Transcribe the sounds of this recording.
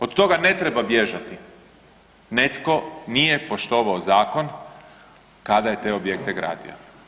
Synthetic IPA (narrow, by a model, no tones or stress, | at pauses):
od̪t̪o̞ɡane̞t̪ɾebabje̞ʒat̪i | ne̞t̪ko̞nije̞po̞ʃt̪o̞ːʋaozaːko̞n | kad̪aje̞t̪e̞o̞bjekt̪eɡɾa̰ːd̪ḭo̰